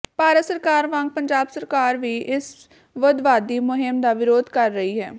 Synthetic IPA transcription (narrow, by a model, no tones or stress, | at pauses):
paːɾət̪səɾkaːɾʋãŋɡ̚pəɲd͡ʒaːbsəɾkaːɾʋiːʔɪs | ʋəd̪ʋaːd̪iːmʊɦɪmd̪aːʋɪɾoːd̪kəɾːəɦiːɦɛ̰ː